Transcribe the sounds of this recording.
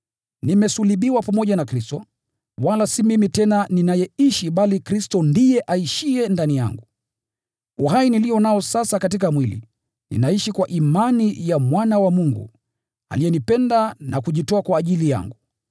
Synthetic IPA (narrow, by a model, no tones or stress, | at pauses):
nimɛsuliɓiwapamɔʄanakɾistɔ | walasimimitɛnaninajɛiʃiɓalikɾistɔndijɛʔaiʃiɛndanija̰ŋɡu | uɦainilijɔnaɔsasakatikamwilḭ | nḭnaiʃikwaʔimanijamwanawamuŋɡṵ | a̰lijɛnipɛndanakuʄitɔakwaːʄilija̰ŋɡu